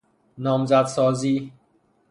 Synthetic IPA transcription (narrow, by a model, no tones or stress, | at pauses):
nɒːmzæd̪sɒːziː